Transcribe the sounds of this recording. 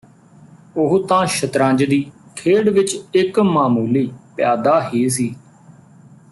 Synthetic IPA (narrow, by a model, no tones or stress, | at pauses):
ʊɦt̪ãːʃət̪ɾãːd͡ʒd̪iːkʰeːɽʋɪt͡ʃɪkmaːmuːliːpjaːd̪aːɦeːs̬iː